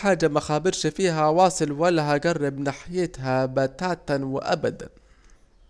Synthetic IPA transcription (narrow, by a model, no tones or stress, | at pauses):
ħaːd͡ʒːamaxaːbɪɾʃafiːɦawɑːsˤɨlwalːaɦaɡarˤːɪbnaːħɪjɪt̪ɦabat̪aːt̪nwɪʔabad̪a̰n